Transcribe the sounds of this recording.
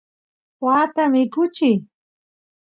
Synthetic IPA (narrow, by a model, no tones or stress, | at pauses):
waːt̪amɪkʊt͡ʃɪj